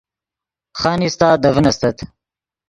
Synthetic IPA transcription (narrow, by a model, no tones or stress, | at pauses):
xɑːnist̪ɑːd̪ɐvənɐst̪ɐt̪ʰ